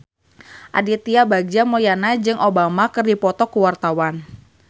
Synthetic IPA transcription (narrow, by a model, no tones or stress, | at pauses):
ʔa̰dit̪iabaɡd͡ʒamojanad͡ʒɨŋʔobamakɨrdipɔt̪ɔkuwart̪awan